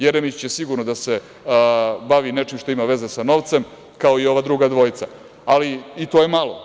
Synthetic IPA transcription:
jeɾemit͡ɕjesiɡuɾnod̪ase̞ | baʋine̞t͡ʃimʃt̪o̞imaʋe̞ze̞sano̞ʋt̪sem | kaoio̞ʋaːd̪ɾuɡad̪ʋo̞jit̪sa̰ | aliit̪oje̞malo̞

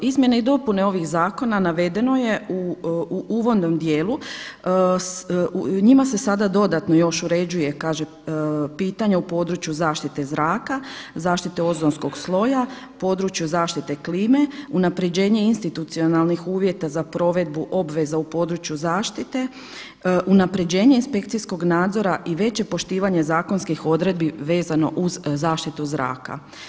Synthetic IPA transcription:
izmje̞neid̪o̞puneo̞ʋixzaːko̞nanaʋe̞d̪e̞no̞je̞u | uʋo̞nːomd̪jeːlˠu | ɲimase̞sad̪ad̪o̞d̪at̪no̞jo̞ʃuɾe̞d͡ʑuje̞kaːʒe | piːt̪aɲaupo̞ːd̪ɾut͡ʃjuzaːʃt̪it̪e̞zɾaːkazaːʃt̪it̪e̞o̞zonsko̞ɡslˠo̞ja | po̞ːd̪ɾut͡ʃjuzaːʃt̪it̪ekliːme̞unapɾe̞d͡ʑe̞ːɲe̞inst̪it̪ut̪sio̞nalˠnixuːʋje̞t̪azapɾo̞ʋe̞d̪̚buʔo̞bʋe̞zaupo̞ːd̪ɾut͡ʃjuzaːʃt̪it̪e̞ | ʔunapɾe̞d͡ʑe̞ːɲeinspe̞kt̪sijsko̞ɡnaːd̪zo̞ɾaʔiʋe̞t͡ɕe̞po̞ʃt̪iːʋaɲe̞zaːko̞nskixo̞d̪ɾe̞d̪̚biʋe̞ːzano̞̰ʔuzːaːʃt̪it̪uzɾa̰ːka̰

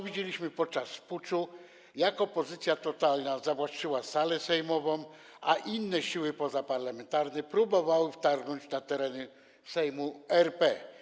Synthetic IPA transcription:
vʲid͡ʑelʲiɕmɘpɔt̪̚t͡ʂasfput͡ʂu | jakɔpɔzɘt̪sʲjat̪ɔt̪alnazavwat͡ʂɘwasalɛsɛjmɔvɔ̃m | ʔa̰ʔinːɛɕiwɘpɔzapaɾlamɛnt̪aɾnɛpɾubɔvawɘft̪aɾɡnɔɲd͡ʑnat̪ɛɾɛnɘ | sɛjmuɛɾpɛ

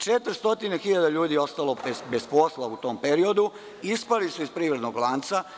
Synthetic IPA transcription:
t͡ʃet̪ɾ̩st̪o̞t̪inexiʎad̪aʎuːd̪io̞st̪alo̞ebesposlaut̪o̞ːmpeɾio̞d̪u | ispalisuispɾiːʋɾe̞d̪noɡlˠant̪sa

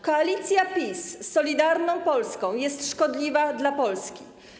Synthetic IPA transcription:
kɔalʲit̪sʲjapʲisːɔlʲid̪aɾnɔ̃w̃pɔlskɔ̃w̃jɛst̪ʂkɔd̪lʲivad̪lapɔlskʲḭ

